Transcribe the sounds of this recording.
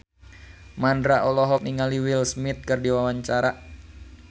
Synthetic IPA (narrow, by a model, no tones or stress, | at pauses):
mandɾaʔɔlɔɦɔk̚niŋaliwilsmit̪̚kɨrdiwawaɲt͡ʃaɾa